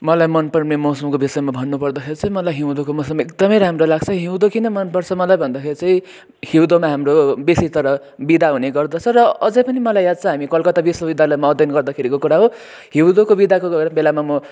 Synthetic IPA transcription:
mʌlajmʌnpʌrnemʌsʌmkobisʌjmabʱʌnːupʌrd̪ʌkʰeɾit͡sʌĩmʌlajɦiw̃d̪okomʌsʌmek̚d̪ʌmʌjɾaamrolaɡt͡sʰʌɦiw̃d̪okinʌmʌnpʌrt͡sʰʌmʌlajbʱʌnd̪akʰeɾit͡sʌĩ | hiwd̪omaɦamrobesit̪ʌɾʌ | bid̪aɦuneɡʌrd̪ʌt͡sʰʌrʌʌd͡zʌ̃jpʌnimʌlajjad̪̚t͡sʰʌ̃ɦamikʌlkʌt̪abisʌbid̪ʱjalamaːd̪ʱjʌnɡʌrd̪ʌkʰeɾikokuɾaɦo | ɦiwd̪okobid̪akoɡʌɾbelamamʌ

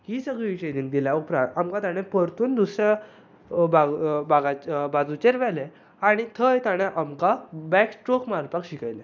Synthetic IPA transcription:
hisəɡɭiʋiɕəjd̪iŋɡ̚d̪iljaupɾaamkat̪aɽ̃ẽpəɾt̪uːnd̪usɾa | babaɡabad͡zut͡ɕeɾʋɛlɛ | aɽ̃it̪ʰəjt̪aɽ̃ẽʔamkabɛksʈokmaɾpakɕikajlɛ

